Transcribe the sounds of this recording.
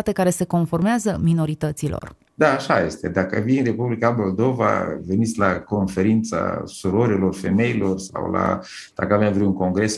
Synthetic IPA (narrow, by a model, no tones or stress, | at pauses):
at̪e̞kaɾe̞se̞ko̞nfo̞rmeazəmino̞ɾit̪ət̪silo̞̰r | d̪aːʃaje̞st̪e̞̰d̪akə̰vininre̞publikamo̞ld̪o̞va̰ve̞nit̪sʲlako̞nfe̞ɾint̪sa̰suɾoɾelo̞rfe̞me̞ilo̞rsa̰wla̰ | d̪̥akəavjamvɾuuŋko̞ŋɡɾe̞s